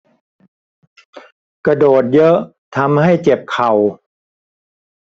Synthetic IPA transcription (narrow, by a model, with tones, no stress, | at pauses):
kɾa˧doː˨˩t̪̚jɤ˦˥ʔ | t̪ʰa˧mha˥˩jt͡ɕe˨˩p̚kʰa˨˩w